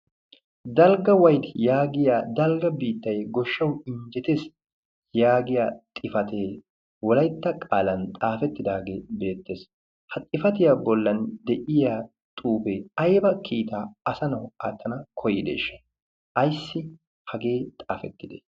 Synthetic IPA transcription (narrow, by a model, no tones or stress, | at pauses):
d̪ɐlɡɐwɐjd̪jaːɡɪjaːd̪ɐlɡɐbiːt̪ːɐjɡɔʃːɐwɪɲd͡ʒɛt̪eːs | jaːɡɪjaːt̪ʼɪfɐt̪ʰeː | wɔlɐjt̪ːɐkʼaːlɐnt̪ʼaːfɛt̪ːɪd̪aːɡe̞ːbe̞ːt̪ːeːs | hɐt̪ʼɪfɐt̪ɪjaːbɔlːɐnd̪ɛʔɪjaː | t̪ʼuːbeːɐjbɐkʰiːt̪aːɐsɐnɐwa̰ːt̪ːɐnɐkʰɔjɪd̪ḛːʃːɐ̥ | ʔɐjsːɪ | hɐɡe̞ːt̪ʼaːfɛt̪ːɪd̪ḛ